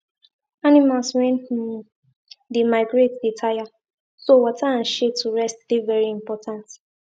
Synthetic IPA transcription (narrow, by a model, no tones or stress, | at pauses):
animalsɹɛ̃n | dimaɪɡɹetditʰaja | sowɔtʰaãnʃetʰːuɹɛstd̥ivɛɹiĩmpɔtʰãnt